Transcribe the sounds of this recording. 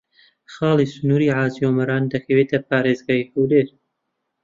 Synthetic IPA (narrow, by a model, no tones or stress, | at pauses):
xɑːlisʊnuːɾiʕaːzjomɐɾɑːnd̪ɐkʰɐweːt̪ʰɐpaːɾeːzɡaːjhuwleːɾ